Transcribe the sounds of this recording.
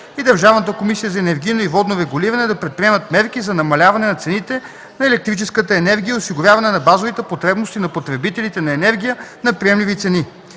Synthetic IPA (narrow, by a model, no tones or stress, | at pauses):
id̪əɾʒavnət̪əkomisijəzɐɛnɛɾɡʲijnoivɔd̪noɾɛɡʊliɾɐnɛd̪ɐpɾɛt̪̚pɾʲiɛmət̪̚mɛɾk̟izɐnɐmɐlʲavɐnɛnɐt̪sɛnit̪ɛ | nɐɛlɛk̚t̪ɾit͡ʃɛskət̪əɛnɛɾɡʲijəʊsiɡʊɾʲjavɐnɛnɐbazovit̪ɛpot̪ɾɛbnost̪inɐpot̪ɾɛbit̪ɛlit̪ɛnɐɛnɛɾɡ̟ʲijənɐpɾiɛmlivit̪sɛni